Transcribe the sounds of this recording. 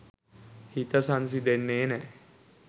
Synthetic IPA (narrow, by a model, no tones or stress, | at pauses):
hit̪əsans̬id̪enːeːnɛ